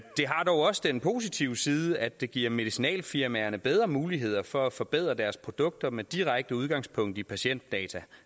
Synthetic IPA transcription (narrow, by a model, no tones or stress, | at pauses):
d̥e̝ɦɑ̈d̥ɒʊɒ̽səd̥enpʰo̝̰ːs̬it͡sʰiʊ̰siːðˠəæd̥ːe̝ɡ̥iɐ̰me̝ðisinɛ̰ːlfiɐmæɐnəb̥eð̞ˠʁɐmuːliɦe̝ð̞̰ˠɐfɒ̽æfɒ̽b̥eð̞̰ˠʁɐd̥æɐspʰʁo̝d̥ɔ̽ɡ̥̚d̥ɐmed̥iʁaɡ̥̚d̥əuð̞ˠɡ̥ɑ̈ŋspʰɔ̽ŋ̰d̥ipʰæɕen̰d̥ːɛːt͡sʰæ